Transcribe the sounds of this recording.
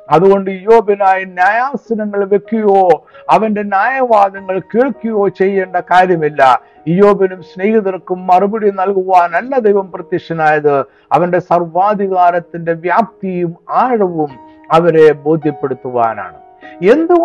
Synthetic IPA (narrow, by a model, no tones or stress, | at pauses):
ɐðuɣo̞ɳɖɨijo̞ːbɐnaːjinjaːjaːsɐnɐŋːɐɭʋe̞kːujoːɐʋɐnde̞njaːjɐʋaːd̪ɐŋːɐɭkeːɭkːujo̞ːt͡ɕe̞jːeːɳɖɐkaːɾjɐmilːɐ | ijoːbɐnumsneːhiðɐrkːumːɐrubɐɽinɐlkuʋaːnɐlːɐd̪ɐjʋɐmprɐt̪ːikʂɐnaːjɐðɨ | ɐʋɐnɖe̞sɐrʋaːd̪ʱiɣaːɾɐt̪ːinde̞ʋjaːp̚t̪ijumaːɻɐʋum | ɐʋɐɾe̞bo̞ːd̪ʱjɐpːe̞ɽut̪ːuʋa̰ːna̰ːɳɨ | e̞nd̪u